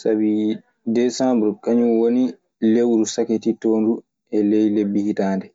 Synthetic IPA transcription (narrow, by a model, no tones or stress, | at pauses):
sabi | dɛsambɾukaɲuwoni | lewɾusaketitoːndu | ɛlejlebːihitaːndɛ